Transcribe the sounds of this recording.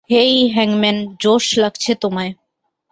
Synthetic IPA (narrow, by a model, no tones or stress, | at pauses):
ejɦɛŋmend͡ʑoʃlaɡt͡ɕʰet̪omae